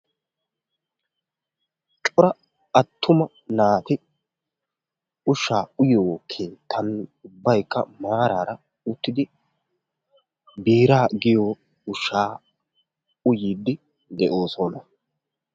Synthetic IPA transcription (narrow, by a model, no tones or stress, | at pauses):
t͡ʃʼɔɾɐ | ɐt̪ʰːʊmɐ | naːt̪ɪ | ʊʃːaːʊjoːkʰeːt̪ʰːɐnʊbːɐjkːɐmaːɾaːɾɐ | ʊt̪ːɪd̪ɪ | biːɾaːɡɪjoː | ʊʃːaː | ʊjiːd̪ːɪ | d̪ɛʔo̞ːsɔnɐ